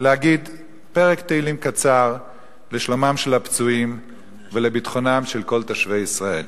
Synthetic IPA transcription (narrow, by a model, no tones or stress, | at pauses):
leaɡid̪ | pe̞ʁekt̪eilimkat͡saʁ | leʃlomamʃelhapt͡suim | velebit̪χo̞namʃe̞lko̞lt̪aʃve̞jisʁae̞l